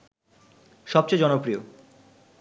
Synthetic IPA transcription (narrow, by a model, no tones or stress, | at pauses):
ʃɔp̚t͡ɕed͡ʑɔnopɾio